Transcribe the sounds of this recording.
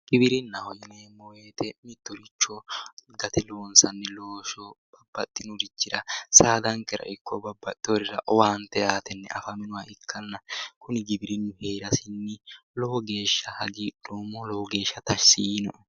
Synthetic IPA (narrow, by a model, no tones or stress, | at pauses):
ɡ̥ɪbɪɾɪnːɐhɔjɛneːmɔweːt̪ɛmɪt̪ːɔɾɪt͡ʃːɔɡɐt̪ɛloːnsɐnːɛloːʃɔb̥ɐb̥ːɐt̪ʼːɪnʊɾɪt͡ʃːɪɾɐsaːd̪ɐŋkɛɾɐ̰ʔɪkʰːɔbɐbːɐt̪ʼːoɾɪɾɐʔɔwaːnt̪ɛjaːt̪ɛnːɛ̰ʔɐfɐmɪnʊwaɪkʰːɐnːɐkʊnɪɡɪbɪɾɪnːʊheːɾɐsɪnːɪlɔhɔɡe̞ːʃːɐhɐɡiːᶑoːmːɔlɔhɔɡe̞ːʃːɐt̪ɐʃsiːnɔʔɛ